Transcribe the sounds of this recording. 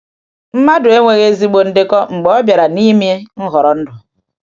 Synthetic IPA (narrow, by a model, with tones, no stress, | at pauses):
m̩˦ma˦dʊ˨e˦ŋʷe˨ɣe˦zi˦ɡ͡bo˨n̩˨dɪ˦kɔ˦ŋ͡m̩˨ɡ͡bɔ˦ɔ˦bja˨ɾa˨ni˦m˦e˦ŋ̩˦ɦɔ˨ɾɔ˨n̩˦dʊ˨